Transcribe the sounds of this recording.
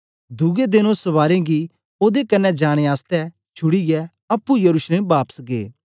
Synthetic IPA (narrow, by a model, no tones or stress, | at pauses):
d̪uɡed̪ɪnõsɐʋaːɾẽɡi | oːd̪ekɐnːɛd͡ʒaːɽ̃eaːst̪ɛ | t͡ʃʰʊɽiɡɛ | ɐpːujɐɾuːʃleːmbaːpə̥sɡḛː